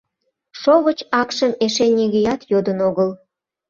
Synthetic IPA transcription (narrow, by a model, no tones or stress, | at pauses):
ʃoβət͡ɕɑkʃəmeʃenʲeɣejɑt̪jod̪ənoɣəl